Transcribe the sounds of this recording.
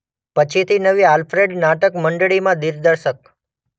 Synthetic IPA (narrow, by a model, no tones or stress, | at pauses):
pət͡ʃʰit̪ʰinəʋialfɾeɖnaʈəkməɳɖɭimãd̪iɾd̪əɾʃək̚